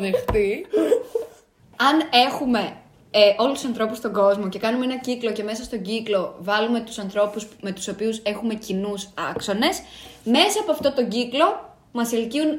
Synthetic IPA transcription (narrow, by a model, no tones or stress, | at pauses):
ðexθi | ɐne̞xume̞ | ʔo̞lususɐnθɾo̞pust̪o̞ŋɡo̞zmo̞ce̞kɐnumeenɐciklo̞ce̞me̞sɐst̪o̞ɟiklo̞vɐlume̞t̪u̥sɐnθɾo̞pusme̞t̪u̥so̞piuse̞xume̞cinusɐkso̞ne̞sme̞sɐːpo̞ɐft̪ot̪o̞ɲɟiklo̞ | mɐselciun